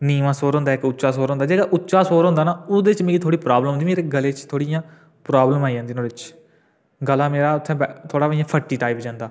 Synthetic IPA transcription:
niːmãːsoːɾɦʊ̃nd̪aːɪkʊːʃaːsoːɾõnd̪aːd͡ʒeːɡaːʔʊtːʃaːsoːɾɦõnd̪aːnaːʊd̪eːt͡ʃmeːkiːt̪ʰoːɽiːpɾaːblə̃nd̪iːmeːɾeːɡəleːt͡ʃt̪ʰoːɽijãː | pɾaːbləmaːid͡ʒãːnd̪iːnoːɪt͡ʃ | ɡəlaːmeːɾaːʊt̪ʰːɛ̃ːbɛt̪ʰoːɽaːbijãːpʰəʈːiːʈaːipd͡ʒãːnd̪aː

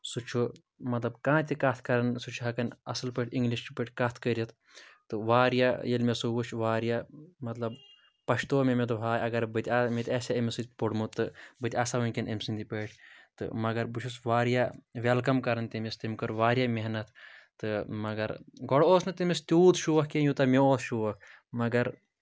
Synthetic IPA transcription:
sut͡ʃʰu | mɐt̪lɐbkãːt̪ʲikɐt̪ʰkɐɾɐnsut͡ʃʰuɦɐkɐnɐ̰sɐlpəʈʰʲiŋɡliʃt͡ʃʰupəʈʰʲkɐt̪ʰkəɾʲit̪ʰ | t̪ɨʋaːɾjajɐlmesubut͡ʃʰʋaːɾjamɐt̪lɐb | pɐʃt̪oːmemet̪̬uɦaːjɐɡɐɾbɨt̪ʲamet̪ʲɐːsʲaəmisɨt̪ʲpoɽmut̪ːɨbɨt̪ʲasaʋɨnʲkɐnʔɐmʲsɨnd̪ipəːʈʰʲt̪ɨ̰mɐɡɐɾbut͡ʃʰusʋaːɾjaʋelkɐmkɐɾɐnt̪ɐmist̪imʲkɐɾʋaːɾʲjaːmeɦnɐt̪ʰt̪ɨmɐɡɐɾɡɔɽoːsnɨt̪imest̪ʲuːt̪ʃuʋɐhkejut̪ɐmeoːsʃuʋɐk | mɐɡɐɾ

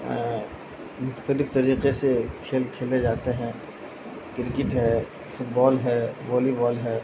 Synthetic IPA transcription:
mʊxt̪əlɪft̪ɐɾiːqesekʰeːlkʰeːled͡ʒaːt̪eɦɛ̃ | kɪɾkɪʈɦɛː | fʊʈbɔːlɦɛːʋɔːlibɔːlɦɛː

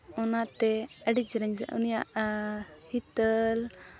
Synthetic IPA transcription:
ɔnat̪ɛɛɖid͡ʒɾɛɲd͡ʒʔṵnijaʔ | hit̪əl

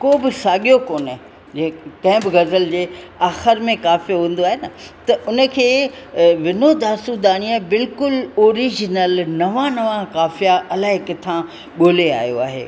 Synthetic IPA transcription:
koːbɪsaːɠijokoːn | d͡ʑekɛ̃ːbɡɐzəld͡ʑeː | aːxɪɾmẽkaːfiɦũːn̆d̪oaːɦenɐt̪ɐʔʊnə̆kʰeːʋɪnod̪aːsud̪aːɽ̃iaːbɪlkʊloːɾiːd͡ʑnəlnɐʋãnɐʋãkaːfijaʔɐlaːɦɪkɪt̪ʰã | ɠoːlea̰ːjo̰a̰ːɦḛː

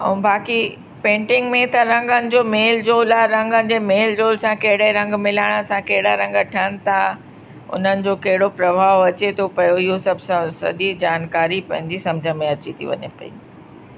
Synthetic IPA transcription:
ɛ̰̃bʱaːki | pẽːɳʈɪ̃ŋɡmẽt̪ɐɾɐ̃ŋɡənɪ̆d͡ʑoːmeːld͡ʑoːlaɾɐ̃ŋɡənɪ̆d͡ʑeːmeːld͡ʑoːlsãkɐɦɪɽeɾɐ̃ŋɡmɪlaːɪɽ̃əsãkɐɦɪɽaɾɐ̃ŋɡəʈʰənɪ̆t̪ʰa | ʊ̰n̤ənɪ̆d͡ʑoːkɐɦɪɽopɾɐʋʱaːʋɐt͡ɕet̪ʰopɐjoɪɦosɐbʱssɐ̰ɗid͡ʑaːnkaːɾipɐ̃ɦɪ̃ɲd͡ʑisɐ̃md͡ʑʱəmẽɐt͡ɕit̪ʰḭʋɐ̰ɲḛpɐ̰ḭː

